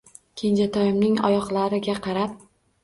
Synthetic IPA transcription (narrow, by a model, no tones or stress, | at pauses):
kʲʰend͡ʒat̪ʰɒjɪmnɪŋɒ̰jɒqlˠaɾɪɡʲaqʰɑɾap̚